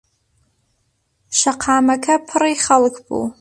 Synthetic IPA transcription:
ʃaqʰaːmakʰapʰɨrajχalkʰʼbṵ

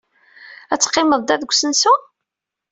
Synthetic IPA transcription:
æt͡sːqːɪməðˤd̪æðɡʷsənsu

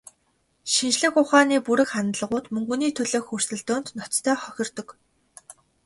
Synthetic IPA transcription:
ʃinʃɮɘ̆xʊχaːniːpuɾɘ̆kχanɮə̆ʁʊːt̪mɵŋɡuniːt̪ʰɵɮŏːxur̥sɘ̆ɮt̪ʊːn̥t̪nɔt͡st̪ʰœːχœxʲɪ̆rt̪ɵ̆k

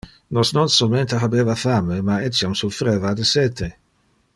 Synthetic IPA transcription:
nɔsnonsolment̪eɦabevafamemaɛsjamsufɾevad̪əsɛt̪ʰe

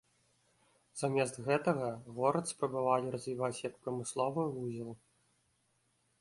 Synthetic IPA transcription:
z̥amʲɛzt̪ɣɛt̪ɐɣɐɣɔɾɐt̪spɾɐbavalʲiɾɐzʲvʲivat͡sʲjɐk̚pɾɐmɨslˠɔvɨuzʲilˠ

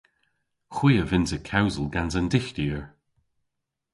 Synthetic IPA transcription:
xwiːəvɪntəkʰawzəlˠɡanzəndɪxtiːəɹ

